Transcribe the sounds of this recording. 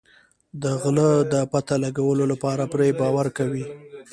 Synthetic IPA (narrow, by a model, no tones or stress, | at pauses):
d̪əɣləd̪əpat̪alaɡawəlolapɑɾapɾebɑwaɾkawi